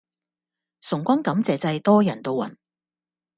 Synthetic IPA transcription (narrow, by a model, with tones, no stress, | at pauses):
sʊ˨˩ŋkʷɔ˥nkɐ˨˥mt͡sɛː˨t͡sɐ˧jt̪ɔː˥jɐ˨˩nt̪o˧wɐ̰˨˩n